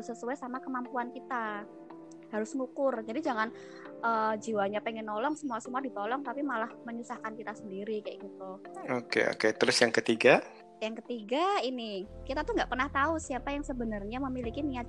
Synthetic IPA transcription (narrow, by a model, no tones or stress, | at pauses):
səsuajsamakəmampuankit̪a | haɾʊsŋukʊrd͡ʒadid͡ʒaŋan | ʔəːd͡ʒiwaɲapɛŋɪnːɔlɔŋsəmuasəmuadit̪ɔlɔŋt̪apimalahməɲusahkankit̪asəndiɾikajaʔɡit̪uokḛo̰ket̪əɾʊsjaŋkət̪iɡa | jaŋkət̪iɡainɪkit̪at̪uŋɡaʔpərnaht̪ausiapajaŋsəbənərɲaməmilikinia